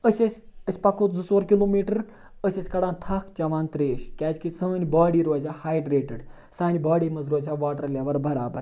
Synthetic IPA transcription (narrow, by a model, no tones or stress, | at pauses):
əsʲɐsʲəsʲpɐkʰoːzɨsoːɾkiloːmiːʈɨɾ | əsʲɐsʲkɐɽaːnt̪ʰɐkʰt͡ʃɐʋaːnt̪ɾeːʃkʲaːzʲkisɐːnʲbaːɽiːɾoːzʲaːhaːjɖɾeːʈəɖ | saːnʲbaːɽiːmɐzɾoːzʲaːʋaːʈəɾlʲaʋɐɾbɐɾaːbɐ̰ɾ